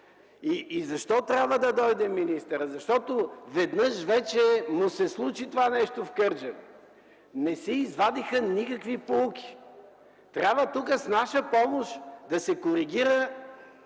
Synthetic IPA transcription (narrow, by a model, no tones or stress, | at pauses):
iːzɐʃt̪ɔt̪ɾʲjabvəd̪ɐd̪ɔjd̪ɛmːinist̪əɾəzɐʃt̪ɔt̪ovɛd̪nəʃvɛt͡ʃɛmʊsɛslˠut͡ʃit̪ovanɛʃt̪ofkɤɾd͡ʒə | nɛsɛizvad̪ixənikɐkvipoukʲi̥ | t̪ɾʲabvət̪ukəsnaʃəpɔmoʃd̪ɐsɛkoɾiɡ̟iɾə